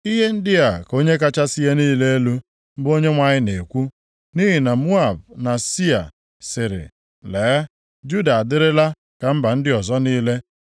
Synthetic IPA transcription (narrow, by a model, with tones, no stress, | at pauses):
i˦ɦe˦n̩˦dɪ˦a˨ko˦ɲe˦k̬a˦t͡ʃa˦si˦je˦niː˦le˦e˦lu˦ | m̩˦bo˦ɲe˦ŋʷa˦ɲɪ˦ne˨kʷu˦ | ni˦ɦi˨na˨mu˦a˨bna˨si˦a̰˨ | sɪ˨ɾɪ̰˨ | leː˨˦ | d͡ʒu˦da˨a˨dɪ˦ɾɪ˦la˦ | ka˨m̩˦ba˨n̩˦dɪ˦ɔ˨zɔ˦niː˦le˦